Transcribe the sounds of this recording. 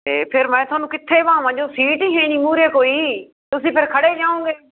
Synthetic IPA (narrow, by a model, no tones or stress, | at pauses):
t̪eːpʰɪɾmɛ̃ːt̪ʊwaːnũːkɪt̪ʰːeːpãːʋãːd͡ʒoːsiːʈiːɦeːɽ̃iːmuːɾeːkoːiː | t̪ʊsĩːpʰɪɾkʰəɽeːd͡ʒaːõːɡeː